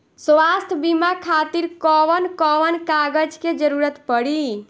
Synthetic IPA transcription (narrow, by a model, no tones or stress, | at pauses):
swast̪ʰbimakʰat̪iɾkɔʋənkɔʋənkaɡəd͡ʒked͡ʒəɾuɾət̪pəɽi